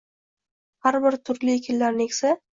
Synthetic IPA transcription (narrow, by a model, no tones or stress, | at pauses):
haɾbɪɾt̪ʰʊɾlɪkʲʰɪlːaɾnekʲsa